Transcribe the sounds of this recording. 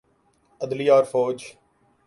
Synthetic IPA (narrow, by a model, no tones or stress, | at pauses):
əd̪liːɔːɾfoːd͡ʒ